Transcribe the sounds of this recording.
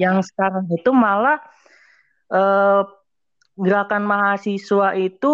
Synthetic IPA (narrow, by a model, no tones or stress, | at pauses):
jaŋsə̥kaɾaŋit̪umalah | ʔəː | ɡəɾakanmaɦasisuaʔit̪u